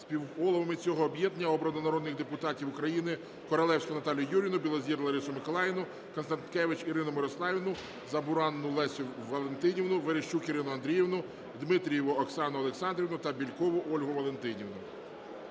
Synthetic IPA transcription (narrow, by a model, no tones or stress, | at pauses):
spʲiwɔlˠɔʋɐmɪt͡sʲɔɦɔːbjɛd̪nʲɐɔbɾɔnɔnɐɾɔd̪nɪxd̪epʊt̪ɑtʲiwʊkɾɐjinɪ | kɔɾɐlˠɛwsʲkɔnɐt̪ɑlʲijʊjuɾʲinʊbʲilˠɔzʲiɾlˠɐɾɪsʊmɪkɔlˠɑjɪnʊ | kɔnst̪ɐnt̪kɛʋɪt͡ʃiɾɪnʊmɪɾɔslˠɑʋʲinʊ | zɐbʊɾɑnːʊlˠɛsʲʊʋɐlˠent̪ɪnʲiwnʊʋɪɾeʃt͡ʃukiɾɪnʊɐnd̪ɾʲijiwnʊ | d̪mɪt̪ɾʲijɛʋʊɔksɑnʊɐlˠeksɑnd̪ɾʲiʋnʊt̪ɐbʲilʲkɔʋʊʔɔlʲɦʊʋɐlˠent̪ɪnʲiʋnʊ